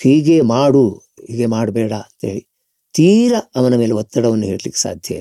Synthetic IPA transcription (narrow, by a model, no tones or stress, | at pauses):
hiːɡemaːɽu | hiːɡemaːɽbɛːɽɐɐnt̪ɐɦeːɭi | t̪iːɾɐɐʋɐnɐme̞ːleɦɔt̪ːɐɽɐʋɐnːuɦeːɽɐlikːe̥sa̰ːd̪ʱjɐ̰jḭl